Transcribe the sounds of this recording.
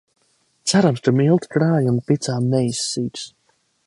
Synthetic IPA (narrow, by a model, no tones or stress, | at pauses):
t̪saɾamst̪ʊɾmilˠt̪kɾaːjunpit̪saːmɛjsːiːt̪s